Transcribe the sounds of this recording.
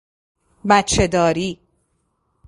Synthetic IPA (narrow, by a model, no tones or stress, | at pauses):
bæt̪t͡ʃʰːe̞d̪ɒːɾiː